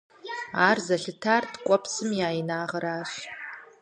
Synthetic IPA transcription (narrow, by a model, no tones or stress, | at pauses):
aːrzɐɬɨtʰaːrtʰkʷʼɔpsɨmjaːjinaːʁɐɾaːɕ